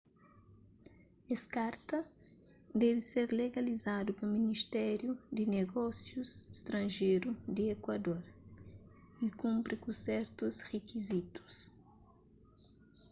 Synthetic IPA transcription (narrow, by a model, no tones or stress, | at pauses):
eskaɾt̪ɐ | d̪ɛvɪseɾleɡalizad̪upɐminiʃt̪ɛɾjud̪ɪneɡɔsjusst̪ɾɐ̃nʒejɾud̪ɪekwad̪oɾ | ikũmpɾikusɛɾt̪usrekizit̪u̥s